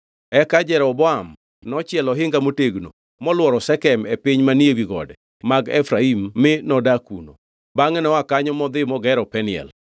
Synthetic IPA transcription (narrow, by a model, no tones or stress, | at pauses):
ɛkad͡ʒɛɾɔbɔam | nɔt͡ʃɪɛlɔɦɪŋɡamoteɡno̰ | mɔlwɔɾɔsɛkɛmepɪɲmaniewiɡɔ̰dɛ | maɡɛfɾaimːɪnɔdakṵno̰ | baŋɛnɔakaɲɔmɔd̪ɪmɔɡɛɾɔpɛnɪɛ̰l